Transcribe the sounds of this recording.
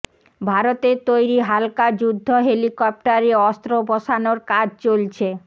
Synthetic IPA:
bʱaɾot̪eɾt̪ojɾiɦalkad͡ʑud̪ʱːoɦelikɔp̚ʈaɾeɔst̪ɾobɔʃanoɾkad͡ʑʱt͡ɕolt͡ɕʰe

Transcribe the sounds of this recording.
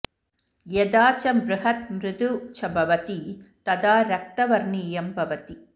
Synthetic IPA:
jɛd̪aːt͡ʃɐmbɾɪɦɐt̪̚mɾɪd̪ut͡ʃɐbɐʋɐt̪it̪ɐd̪aːɾɐk̚t̪ɐʋɐɾɳiːjɐmbʱɐʋɐt̪i

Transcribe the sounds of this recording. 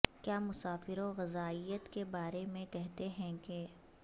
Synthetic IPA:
kjaːmʊsaːfɪɾoɣɐzaːijət̪kebaːɾemẽkɛɦt̪eɦɛ̃ke

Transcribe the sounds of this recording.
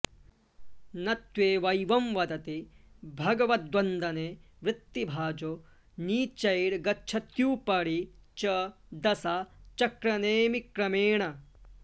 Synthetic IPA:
nɐt̪ʋeːʋɐjʋɐmʋɐd̪ɐt̪ibʱɐɡɐʋɐt̪̚d̪ʋɐnd̪ɐneː | ʋɾɪt̪ːibʱaːd͡ʒo | niːt͡ʃɐjɽɡɐtːʃʰɐt̪juːpɐɽit͡ʃɐ | d̪ɐsat͡ʃɐkɾɐneːmikɾɐmeːɳɐ

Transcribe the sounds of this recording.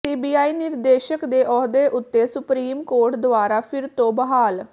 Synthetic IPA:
siːbiːaːiːnɪɾd̪eːʃəkd̪eːʔɔːd̪eːʔʊt̪ːeːsʊpɾiːmkoːɾʈd̪ʊaːɾaːpʰɪɾt̪õːbəɦaːl

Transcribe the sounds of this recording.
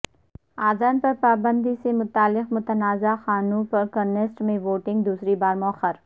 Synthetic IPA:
aːd̪aːnpɐɾpaːbə̃nd̪isemʊt̪aːlːɪqmʊt̪ənaːzaxaːnũpɐɾkɐɾnesʈmẽʋoːʈɪ̃ŋɡ̚d̪uːsɾibaːɾmʊəxəɾ

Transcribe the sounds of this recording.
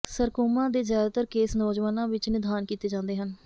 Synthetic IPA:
səɾkoːmãːd̪eːzjaːd̪aːt̪əɾkeːsnoːd͡ʒʋaːnãːʋɪt͡ʃnɪd̪ʱaːnkiːt̪eːd͡ʒãːnd̪eːɦən

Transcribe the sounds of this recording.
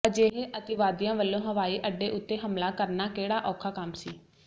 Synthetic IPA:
d͡ʒeːɦeːʔət̪ɪʋaːd̪jãːʋəlːõːɦəʋaːiːʔəɖːeːʔʊt̪ːeːɦəmlaːkəɾnaːkeːɽaːʔɔːkʰaːkəmsiː

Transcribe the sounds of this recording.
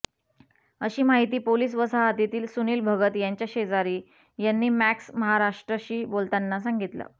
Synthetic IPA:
əɕiːmaɦit̪iːpoliːs̬ʋəsaɦat̪it̪iːlsuniːlbʱəɡət̪jaɲt͡ɕjaɕed͡zaɾiː | janːiːmæksməɦaɾaʂʈɾəɕiːbolt̪anːasãŋɡit̪lə̰ː

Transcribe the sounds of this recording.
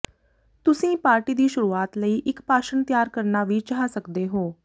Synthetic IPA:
t̪ʊsĩːpaːɾʈiːd̪iːʃʊɾuːaːt̪ləiːʔɪkpaːʃənt̪jaːɾkəɾnaːʋit͡ʃaɦaːsəkd̪eːɦoː

